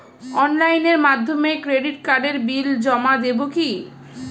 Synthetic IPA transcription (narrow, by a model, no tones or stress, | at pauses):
ɔnlajneɾmad̪ʱːomekɾeɖiʈ̚kaɖeɾbild͡ʑɔmad̪eboki